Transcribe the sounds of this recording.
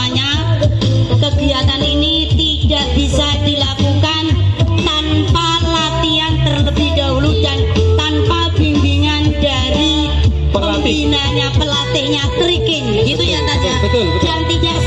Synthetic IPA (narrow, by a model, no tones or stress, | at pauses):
aɲa | kəɡiat̪anini | t̪id̥aʔb̥isad̥ilakukant̪anpalat̪iant̪ərdidaɦuludaŋt̪anpab̥iŋɡiŋanda | ɾi | pəmbinaɲapəlat̪ɪʔɲat̪əɾikɪŋɡit̪ujat̪aɲa | daŋt̪idaʔ